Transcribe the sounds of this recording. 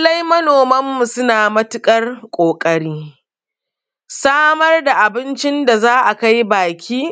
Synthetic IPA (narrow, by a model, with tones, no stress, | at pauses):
lɐ˦jmɐ˦noː˨mɐ˦mːu˨sʊ˦naː˨mɐ˦tʊ˦kʼɐ˦rkʷʼoː˨kʼɐ˦ɽiː˦ | saː˦mɐ˦rda˨ʔa˨bɪ˦nt͡ʃɪ˦nda˨zaː˦ʔa˨ka˦jbaː˨kʲʰiː˦